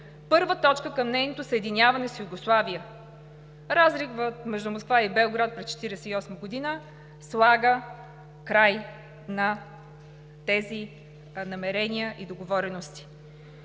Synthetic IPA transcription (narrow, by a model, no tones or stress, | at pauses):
pɤɾvət̪ɔt͡ʃkəkɐmnɛjnot̪osəɛd̪inʲjavɐnɛsjuɡoslˠaviə | ɾazɾikvət̪mɛʒd̪umoskvaibɛoɡɾat̪̚pɾɛst͡ʃɛ̥t̪iɾɛsɛiɔsməɡod̪inə | slˠaɡə | kɾaj | nɐ | t̪ɛzi | nɐmɛɾɛniəʔid̪oɡovɔɾɛnost̪i̥